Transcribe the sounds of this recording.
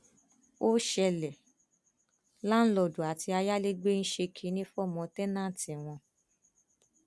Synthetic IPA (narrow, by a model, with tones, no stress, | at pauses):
o˦ʃɛ˧lɛ˨ | la˦n̩˦lɔ˧˨du˨a˨tʰi˧a˧ja˦le˦ɡ͡be˦n̩˦ʃe˧kʰi˨˦nĩ˦fɔ˦˨mɔ̃˧tɛ˦nã˦˨tĩ˨w̃ɔ̃˧